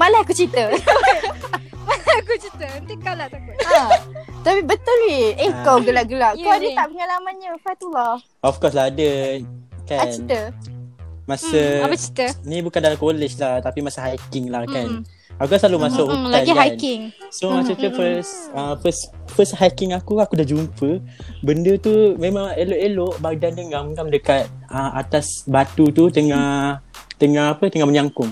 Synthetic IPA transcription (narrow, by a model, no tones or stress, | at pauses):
malahakut͡ʃit̪ə | malaakut͡ʃit̪əənt̪ikalat̪akʊt̪ | t̪apibət̪ʊlniekawɡəlaʔɡəlaʔkaadit̪aʔpəŋalamãnɲəfat̪ulɑ | ɔfkɔslahadə | kaat͡ʃnit̪ə | masəapət͡ʃi̥t̪ənĩbukandalamkolɛʃlaht̪apimasəɦajkɪŋlahkan | akukanslalumasʊʔhulaihankɪŋsomasət̪əfəsəfəsfəshakɪŋakuakudahd͡ʒumpəbəndət̪umemãŋeloʔeloʔbak̚dandəŋamŋamdəkat̪̚əmʔa̰t̪asbat̪ut̪ut̪əŋaht̪əŋahapət̪əŋaməɲaŋkʊŋ